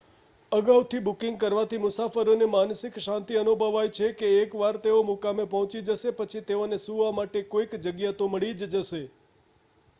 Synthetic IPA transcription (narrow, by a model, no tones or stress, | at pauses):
əɡaut̪ʰibukɪ̃ŋɡ̚kəɾʋãt̪imʊsafəɾonemansɪkʃãnt̪iənubʱəʋajt͡ʃʰekeːkʋaɾt̪eomukamepɔɦɔ̃t͡ʃid͡ʒəʃepət͡ʃʰit̪eonesuʋamaʈekoikd͡ʒəɡjat̪oməɭid͡ʒd͡ʒəʃe